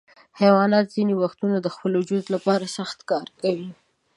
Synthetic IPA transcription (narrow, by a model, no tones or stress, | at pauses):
hawɑnɑt̪z̥inewaxt̪unad̪əxpəlod͡ʒʊzlapɑɾasaxt̪kɑɾkawi